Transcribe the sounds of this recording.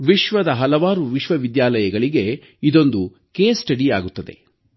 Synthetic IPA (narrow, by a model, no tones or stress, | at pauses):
ʋiʃʋɐd̪ɐɦɐlɐʋaːɾuʋiʃʋɐʋid̪jaːlɐjɐɡɐɭiɡe̞ | id̪o̞nd̪u | keːsʈɐɽiaːɡut̪ːɐd̪e̞̰